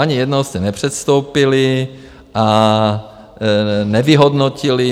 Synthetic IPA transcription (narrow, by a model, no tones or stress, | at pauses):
aɲɪjɛdnosɲɛnɛpr̝̥ɛt̪st̪owpɪlɪ | ʔa | nɛvɪɦodnocɪlɪ